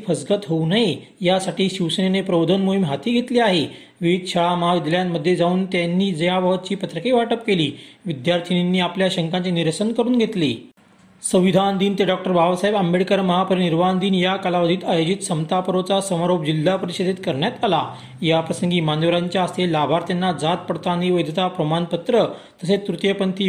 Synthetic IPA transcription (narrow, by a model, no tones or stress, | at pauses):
fəsɡət̪ɦownae | jasaʈiːɕiʋsənenepɾəʋod̪ʱənmoɦimɦat̪iːɡʱet̪liːaɦe | ʋiʋiːd̪̚ɕʰəɭaməɦaʋid̪ljamːəd̪ʱːjed͡zauːnt̪janːiːd͡zəjaʋəʋət̪̚t͡ɕiːpət̪ɾəkeʋaʈəp̚keliːʋid̪jaɾt̪ʰininːiːapljaɕəŋkaɲt͡ɕeniɾsənkəɾuːnɡʱet̪liː | sə̃ʋ̃ʋid̪ʱand̪iːnt̪eɖɔk̚ʈəɾbʱabsaɦebəmbeɭkəɾməɦapəɾiniɾʋand̪iːnjakalaʋəd̪ʱiːt̪ajod͡ʑit̪səmt̪apəɾot͡sasəmaɾopd͡ʑilːapəɾiɕed̪ʱet̪kəɾɳjat̪ala | japɾəsəŋɡiːmanəʋəɾaɲt͡ɕjaːst̪elabʱaɾt̪janːad͡zat̪̚pəɽt̪aniʋəjd̪ʱt̪apɾəmanpət̪ɾə | t̪əset̪ɾut̪jəpənt̪ʰiː